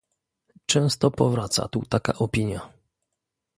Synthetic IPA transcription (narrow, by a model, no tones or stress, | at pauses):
t͡ʂɛ̃w̃st̪ɔpɔvɾat̪sa̰t̪ut̪aka̰ʔɔpʲiɲja